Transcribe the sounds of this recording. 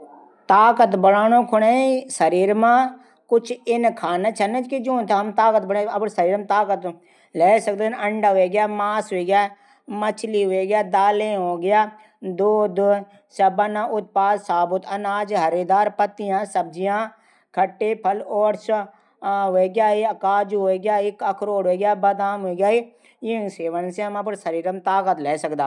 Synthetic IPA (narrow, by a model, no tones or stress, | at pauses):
t̪aːkət̪bəɽaːñõːkʰʊɽaːisəɾiːɾmãː | kʊt͡ʃʰɪnkʰaːnat͡ʃʰɐnət͡ʃkid͡ʒõːnt̪ʰaɦɐmt̪aːkət̪̚bəɽãɐbɾsəɾiːɾmt̪aːkət̪ | leːsɐk̚d̪nəɳɖaɦoeɡɪjaːmaːsɦoeːɡjaː | mət͡ʃʰliɦoeɡjaːd̪aːlẽɦoːɡɪjaː | d̪oːd̪ | sɐbənãʔʊt̪̚paːd̪saːbʊt̪ɐnaːd͡ʒɦəɾeːd̪aːɾpət̪ːijãːsəb̚d͡ʒijãː | kʰəʈːeːpʰəlɔːɾs | ɦoːeɡjaːiɐkaːd͡ʒɦoːeɡɪjaːɪkəkʰɾoːɽoeːɡjaːbəd̪aːmɦoeɡjaːi | jɪseːʋənseɦəməp̬ɾsəɾiːɾəmt̪aːkət̪lɛːsəkd̪aː